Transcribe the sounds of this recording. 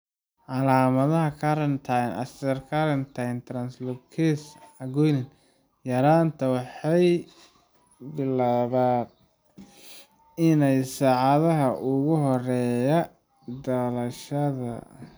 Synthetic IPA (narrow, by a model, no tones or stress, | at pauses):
ʕɑlaːmɐðɐɦɐkʰɐɾɐnt̪ʰajnɐ̰st̪ɐrkʰaɾɐnt̪ʰajnt̪ʰɾɐnslɔb̚kʰɛsʕɑɡɔjlɪn | jɐɾaːnt̪ʰɐwɑħɑj | bɪlaːβaːd̪ | ɪnɛjsaːʕɑðɐɦɐʔʊɣʊɦɔrɛːjɐ | d̪ɐlɐʃɐðɐ̰